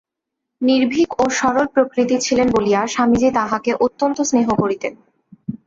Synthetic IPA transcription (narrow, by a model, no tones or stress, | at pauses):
niɾbʱikoʃɔɾolpɾokɾit̪it͡ɕʰilenboliaʃamid͡ʑit̪aɦakeʔot̪ːont̪osneɦokoɾit̪en